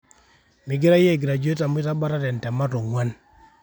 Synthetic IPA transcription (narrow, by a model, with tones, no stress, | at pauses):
mɪ˨ɡɪ˦ɾa˦jɛ˦˨ɡi˨ɾa˨d͡ʒu˦e˦ta˨m˦i˦ta˦ba˦ɾa˦ɾɛ˨n˨tɛ˨ma˦to˨ŋwa˦n